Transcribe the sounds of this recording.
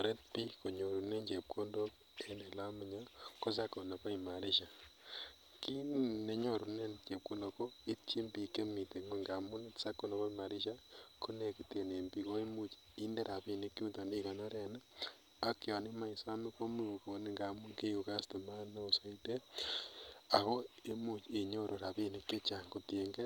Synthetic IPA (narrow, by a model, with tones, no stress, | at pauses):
a˨ɾe˦t̚pi˦ko˨ɲo˨ɾu˨ne˦nt͡ʃe˨p̚ko˦ndo˦k | e˦ne˨la˦mi˨ɲa˦ko˦s̬a˦kːo˨ne˨pa˦i˨ma˨ɾi˦ʃa˨ | ki˦ne˨ɲo˦˨ɾu˨ne˦nt͡ʃe˨p̚ko˦no˨ko˦i˦tt͡ʃi˦mbi˨ke˦mi˨te˨me˦˨ŋɡa˨mu˦ne˦tsa˦kːo˨no˨ko˦ma˨ɾi˦ʃa˦kʰo˦ne˨ki˨te˨ne˨mbi˨ɣo˦e˦mu˦t͡ʃi̥ | i˦nde˦ɾʔa˨βi˦ni˦ki˦u˦to˨ni˦ɣo˨no˦ɾe˨na˦ | a˦ke˨o˨ni˦ma˦i˨so˦a˦mi˦ko˦mi˦u˨ko˨ne˦ŋɡa˨mu˦ŋke˦ju˨ka˦sto˨ma˦ne˦o˨so˨i˦te˦ | a˨ɣo˦e˦mu˦t͡ʃe˨ɲo˦ɾʔo˨ɾa˨βi˦ni˨ke˦t͡ʃa˨ŋko˨te˨ŋɡe˦